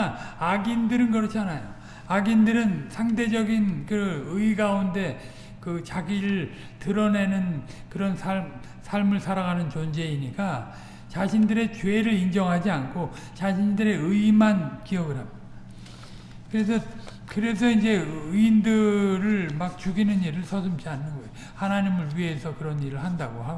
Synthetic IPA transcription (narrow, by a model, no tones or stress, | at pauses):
aaɡindɯɾɯnɡʌɾʌt͡ɕʰanajo | aɡindɯɾɯnsʰaŋde̞d͡ʑʌɡinkɯʌɯiɡaunde̞ | kɯt͡ɕaɡiɾɯɭ | tɯɾʌne̞nɯnkɯɾʌnsʰaɭm | sʰaɭmɯɭsʰaɾaɣanɯnt͡ɕond͡ʑe̞iɲika | t͡ɕaɕʰindɯɾe̞t͡ɕweɾɯɾind͡ʑʌŋɦad͡ʑiankʰo | t͡ɕaɕʰindɯɾe̞ɯimankiʌɡɯɾɦami̥a | kɯɾe̞sʰʌ | kɯɾe̞s̬ʰʌind͡ʑe̞ɯindɯɾɯɭmak̚t͡ɕuɡinɯniɾɯɭsʰʌsʰʌmt͡ɕianːɯnɡʌjo | hanaɲimɯɭɥiɦe̞sʰʌkɯɾʌniɾɯɭhandaɡoha